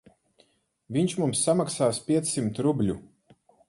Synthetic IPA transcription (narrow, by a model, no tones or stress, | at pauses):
viɲt͡ʃmumsːamaksaːspʲiɛt̪sːimt̪ɾublʲu